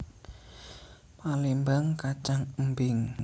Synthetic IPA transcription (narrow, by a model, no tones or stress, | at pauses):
malimbaŋkat͡ʃaŋəmbɪŋ